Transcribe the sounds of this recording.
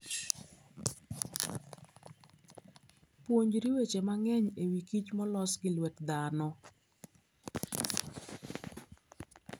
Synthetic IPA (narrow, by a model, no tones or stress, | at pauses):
pwoɲd͡ʒɾiwet͡ʃemaŋɛɲewikit͡ʃmɔlɔsɡɪlwɛkd̪anɔ